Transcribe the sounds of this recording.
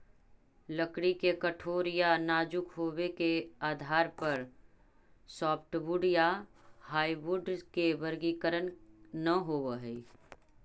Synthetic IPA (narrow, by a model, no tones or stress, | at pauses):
lɐkɽikekəʈʰoːɾijanaːd͡ʒʊkɦoːwekeaːd̪ʱaːɾpɐɾ | sɔːpʰʈʋʊɖijahaːiʋʊɖkeʋɐɾɡikəɾənnɐɦoːwəɦɛ